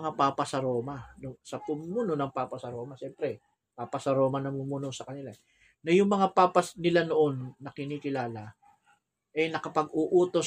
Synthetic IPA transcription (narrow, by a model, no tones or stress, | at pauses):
ŋapaːpɐsɐɾo̞ːmanʊŋsɐpʊmumuno̞nɐŋpaːpɐsɐɾo̞ːmɐʃɛmpɾɛ | paːpɐsɐɾo̞ːmɐnɐmumuno̞sɐkɐnɪla | nɐjʊŋmɐŋapaːpɐsnɪlanoʔo̞nːɐkɪniːkɪlaːla | ʔɐjnɐkɐpɐɡuʔuːt̪o̞